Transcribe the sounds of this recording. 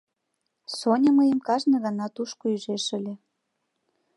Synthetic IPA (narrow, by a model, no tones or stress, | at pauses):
sonʲəməjəmkɑʒnɤ̆ɣɑnɑt̪uʃkoyʒeʃə̆lʲĕ